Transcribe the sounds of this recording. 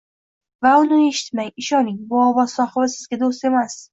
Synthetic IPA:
vaʊnɪe̞ʃɪ̥t̪maŋɪʃɒnɪŋbʊɒvɒz̥sɒhvasɪzɡʲad̪ost̪e̞mas

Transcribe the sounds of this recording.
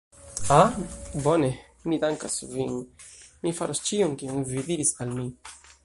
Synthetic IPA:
abo̞ne̞ | midaŋkasvinmifaɾost͡ʃionkionvidiɾisalmi

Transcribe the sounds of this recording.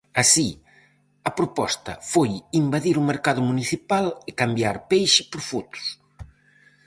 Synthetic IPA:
asi | ɐpɾopɔst̪ɐ̰fojimbaðiɾumeɾkaðʊmuniθipalɪkambjaɾpejʃɪpoɾfot̪ʊ̥s

